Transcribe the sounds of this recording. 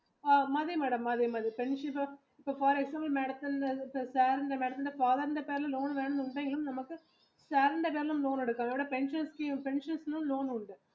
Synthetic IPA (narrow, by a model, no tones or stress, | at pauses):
amɐðejmɛːɽɐmːɐðejmaːðɾipɛɳʂɐɪpːɐ | ɪpːɐːfɐːɾɛksaːmbɐlmeːɽɐt̪ːɐnɖɐɪpːɐsaːɾɪnɖɐmeːɽɐt̪ːɐnɖɐfaːðɐɾɪnd̪ɐpeːɾlɐ̃loːnʋeːɳɯmʊɳɖeːŋɡɐɭɯmnɐmɐkːɯ | saːɾɪnd̪ɐpeːɾɐlɯmloːnɛɽɯkːaːmɛʋɪɽɐpɛnʂɐnskipɛnʂɐnsnʊ̃mloːnʊɳɖɯ